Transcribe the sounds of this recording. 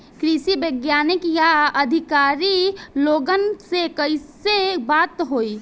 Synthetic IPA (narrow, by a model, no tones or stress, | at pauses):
kɾisibeɡjanikjaəd̪ʱikaɾiloɡənsekəɪsebat̪ɦoi